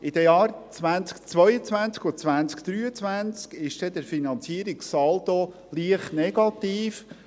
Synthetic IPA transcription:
ʔɪd̥̪əjɑːɾt͡sʋænt͡skt͡svœʏjət͡sʋænt͡skɔt͡svænt͡skd̥ɾyːət͡svænt͡skɪʃd̥ɛd̥̪əɾfinɑnt͡siəɾiksɑld̪o | liəχtnɛɡ̥ɑt̪iːf

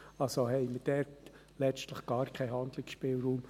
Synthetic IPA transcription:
ɑlsohɛɪməd̥ɛːt | lɛt͡stləχɡ̥ɑːɾkʰɛɪɦɑnd̥̪lɪksʃpɪːlɾuːm

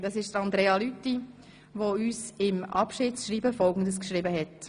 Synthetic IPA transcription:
d̥̪ɑsɪʃd̥ɾɑnd̪ɾeːɑlytːi | ʋoyːsɪmɑ̰pʃɪːsʃɾiːbəfɔlɡən̩dəskʃɾɪbəɦɛt

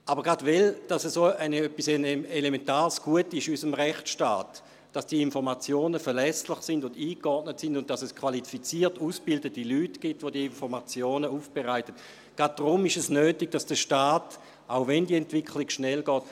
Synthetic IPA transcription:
ʔabəʁɡadvɛld̥asɛsoːaɪnøpːisenelementaːʁsɡ̥uətɪʃysəmʁɛχt͡sʃta̰ːt | d̥asd̥iəinfɔʁmat͡sjoːnəfɛɐlɛslɪχsɪndʊndiːkɔdnətsɪndʊnt̚d̥asɛskʰv̥alifit͡siːɐtuːsb̥ɪldətilyːtɡ̥itʋodiəinfɔʁmat͡sjoːnəuːfb̥eʁaɪtət | ɡ̥at̚dʁʊmɪʃɛsnøːtɪɡ̚d̥asd̥əʃtaːt | ʔaʊvɛndiəɛntv̥ɪkʰlɪɡʃnɛlɡɔːt̚

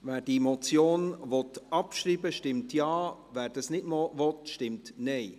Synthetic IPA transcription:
vɛːɾd̥iemɔt͡sjoːnʋɔtɑpʃɾiːbəʃtɪmtjɑːvæːɾd̥ɑsnɪdmɔvɔtʃtɪmtnɛɪ

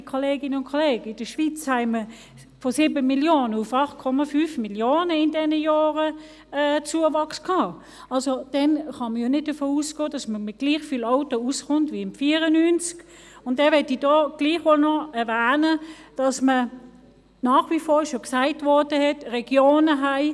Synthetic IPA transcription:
kʰɔleːɡɪnəʊnkʰɔleːɡəɪd̥əʃʋit͡shæɪmə | fɔsɪːbəmiljoːnəʊfɑχt̚kʰɔmɑfyfmiljoːnəɪndɛnəjɔːʁə | ɛːt͡suːəvɑkskʰɑː | ɑlsod̥ɛnχɑməjonɪt̚d̥əfoːusɡ̥oːd̥ɑsməmɪt̚ɡ̥liːχfiːlaʊtousχʊntvʋiɪmfiːəʁənynt͡sk | ʊntɛːɐʋɛtidɔːɡ̥liːχʋolnɔɛɐvæːnəd̥ɑsmə | nɑːχʋifoːʃoksaɪtʋɔdəɦɛtʁɛɡ̥joːnəɦaɪ

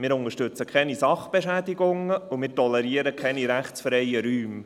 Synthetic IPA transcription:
mɪːɾʊŋəʃtɵt͡səkχɛnisɑχb̥eʃæːd̪ɪɡʊŋəumɪːɾtɔlɛɾiəɾəkʰɛniɾæχt͡ssfɾɛjəɾyːm

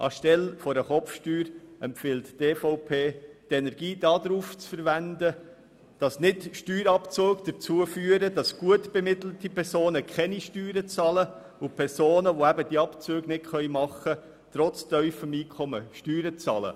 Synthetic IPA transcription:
ʔɑ̰ʃtɛlfɔɾəχɔfʃtyːɾɛmfɪltteːfɔʊpʰeːtɛnɛɾɡ̥iːdɑːdɾuːft͡sfəɾʋændə | d̥ɑsnɪtʃtyːɾɑpt͡soːɡd̥əɾt͡suəfyːəɾədɑsɡ̥uətb̥emɪtl̩tipʰɛɾsoːnəkʰχɛniʃtyːɾət͡sɑːlə | ʊpʰɛɾsoːnəʋoæbəd̥iːɑpt͡søːɡnɪtχœʏjmɑχə | t̪ɾɔt͡stœʏfəmiːkʰɔməʃtyːɾət͡sɑ̰ːlə̰

